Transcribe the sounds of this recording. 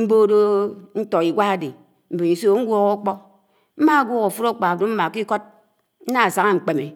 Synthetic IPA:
m̩˦bo˦do˦n̩˦to˨i˨ɡʷa˦a˨de˨ | m̩˦be˨i˨so˦ŋ̩˦ɡʷɔ˦ɣo˦k͡pɔ˦ | m̩˦ma˦a˨ɡʷɔ˦ɣu˨fu˦ɾo˦k͡pa˨do˦m̩˦ma˨ki˦ko˦t̚ | n̩˦na˦a˨sa˦ŋa˦ŋ͡m̩˨k͡pe˨me˨

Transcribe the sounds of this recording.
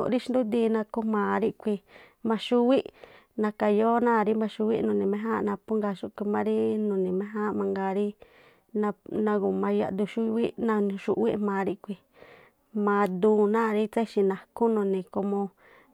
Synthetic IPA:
ɾi˦ʃi˧d̪u˦d̪i˧nã˧ku˧mãː˨ɾi˦kʷi˧ | mã˧ʃu˦wi˦ʔ | nã˧ka˧jo˦nã˦˨˧ɾi˦mã˧ʃu˧wi˦ʔnũ˧˨nĩ˨mẽ˧˦ɦã˦˧nã˧pu˦ŋɡa˧ʃu˧kʷi˧mã˧ɾi˦nũ˨nĩ˨mẽ˦ɦã˦mã˧ŋɡaː˧ɾi˦ | nã˧nã˧ku˨mã˧ja̰˧ʔd̪u˧ʃu˦˧wi˦nã˧ʃṵ˧ʔwi˦ʔmãː˨˧ɾi˧ʔkʷi˧ | mã˧d̪ũː˧˦nãː˦˨ɾi˦t͡sa˦i˧ʃi˧nã˧ku˦nũ˧nĩ˨ko˧mõ˧

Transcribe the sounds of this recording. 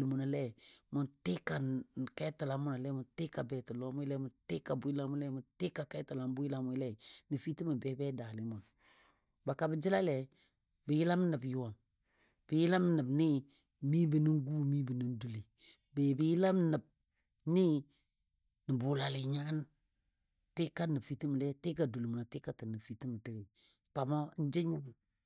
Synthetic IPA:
lmu˨na˨lɛ˦mʊ˨ntɪ˦ka˨kɛ˦tə˨la˨˦mʊ˦na˨lɛ˦mʊ˨ntɪ˦ka˨bɛ˨tə˨lɔ˦mʊ˦lɛ˦mʊ˨ntɪ˦ka˨bʊ˨ji˦la˦m˦lɛ˦mʊ˨ntɪ˦ka˨kɛ˦tə˨la˨mbʊ˦i˦la˨mʊ˨˦lɛ˦nə˨fi˦ti˦mə˨bɛ˦bɛ˦da˨lɪ˨˦mʊ˨n | ba˨ka˨bɪ˨d͡ʒɪ˦la˦lɛ˨ | bɪ˨jɪ˦la˦m˦nə˨bju˦wa˨m | bɪ˨jɪ˦la˦m˦nə˨bnɪ˦ | mi˦bə˨ni˦ŋ˦ɡu˦mi˦bə˨nə˦n˦du˨li˨ | be˨bɪ˨jɪ˦la˦m˦nə˨b̚ | nɪ˦ | nə˨bʊ˨la˨lɪ˨ɲa˦n˦ | tɪ˦ka˦nə˨fi˨ti˦m˨lɛ˦tɪ˦ka˨du˨li˨mu˨na˨tɪ˦ka˨tə˨nə˨fi˨˦ti˦mə˨tə˦ɡe˨ | ka˨ma˦n̩˦d͡ʒɪ˦ɲə˦m˨

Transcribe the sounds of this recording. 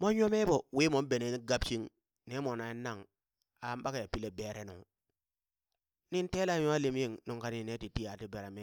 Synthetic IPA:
mo˦ɲo˦me˦bo˨wi˦mo˦m˦be˨ne˨˦ni˦ɡa˦bt͡ʃi˦ŋ | ne˦mo˨na˨i˦na˦ŋ | a˨˦mba˦ka˨ja˨pi˦le˦be˨ɾe˦no̰˨ | ni˦n˦te˦la˦ja˦li˦m˦i˦ŋnu˨ŋka˦ni˦˨ne˦ti˨ti˦ja˨ti˦be˨ɾa˨me˦

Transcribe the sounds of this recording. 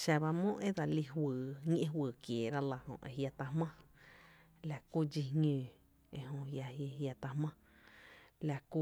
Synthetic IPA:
ʃa˧βa˧mõ˦ʔe˦d̪a˧li˧ɦwɨː˨ɲʲ˦ʔẽ˦ɦwɨː˧˨kjeː˨ɾa˦la˧hõ̰˧˨ʔḛ˧ɦja˧t̪a˧mã˦ | la˧ku˦d͡ʒi˧ɲũː˨ | e˧˨ɦõ˧ja˧je˧ja˧t̪a˧hmã˦ | la˧ku˦

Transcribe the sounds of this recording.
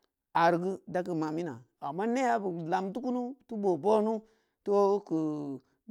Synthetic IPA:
a˨ɾɡi˦da˦k̬i˨ma˨mi˦na̰˨ | a˨mːa˦ne˦ja˦bu˨la˨mtu˦ku˦nu˦tu˦bo˨bo˦nu˦ | to˦ku˨

